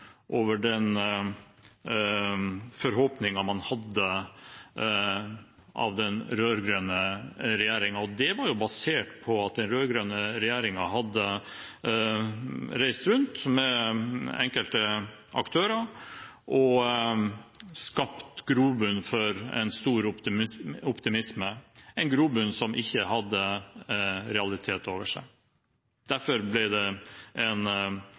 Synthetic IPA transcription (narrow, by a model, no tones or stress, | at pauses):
ʔoːʋəɖɛn | fɔɾɦoːpnɪŋɑmɑnhɑd̪ːə | ʔɑ̰ʋd̪ɛnɾøːɾɡɾøːnəɾɛjæːɾɪŋɑɔd̪ɛʋɑɾjʊbɑseːʈpʰɔɑt̪̚d̪ɛnɾøːɾɡɾøːnəɾɛjæːɾɪŋɑɦhɑd̪ːə | ɾæɪst̪ɾʉnt̪mɛ | ɛŋkəlt̪ə | ʔɑ̰kt̪ʰøːɾəɾ | ʔɔ | skɑpt̪ɡɾuːbʉnfɔɾɛ̰nst̪uːɾʊt̪ɪɔpt̪ɪmɪsməɛnɡɾuːbʉnsɔmʔɪçːəhɑd̪ːə | ɾɛɑlɪt̪ʰeːt̪oːʋəʂæ̰ɪ | d̪̥æɾfɔɾblɪd̪ɛʔɛn